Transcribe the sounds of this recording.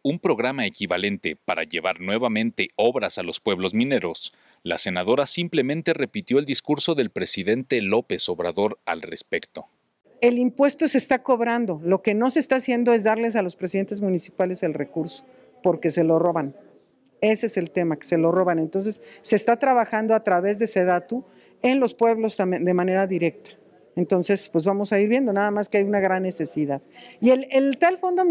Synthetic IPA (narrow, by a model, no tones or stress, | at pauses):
umpɾo̞ɣɾamaekiβale̞nt̪e̞paɾa̰ʝe̞βaɾnwe̞βamẽ̞nt̪e̞o̞βɾasalo̞spwe̞βlo̞zmĩne̞ɾo̞s | la̰se̞naðo̞ɾasimple̞mẽnt̪e̞re̞pit̪jo̞eld̪iskuɾso̞ðe̞lpɾe̞siðe̞nt̪e̞lo̞pe̞so̞βɾaðoɾa̰lre̞spe̞kt̪o̞ | e̞limpwe̞st̪o̞se̞ːst̪ako̞βɾand̪o̞lo̞ke̞no̞se̞st̪aːsjend̪o̞e̞zðaɾle̞s̬alo̞spɾesiðe̞nt̪ezmũnisipale̞se̞lre̞kuɾso̥ | po̞ɾke̞se̞lo̞ro̞βan | e̞seese̞lt̪e̞make̥se̞lo̞ro̞βane̞nt̪o̞ns̬e̞sːe̞ːst̪at̪ɾaβaxand̪oat̪ɾaβe̞zðese̞ðat̪u | e̞nlo̞spwe̞βlo̞sand̪e̞mãne̞ɾaðiɾe̞k̚t̪ḁ | e̞nt̪o̞nse̞spwe̞zβamo̞saiɾβje̞nd̪o̞naðamaskeajunaɣɾanːe̞se̞siðaðielelt̪alfo̞nd̪o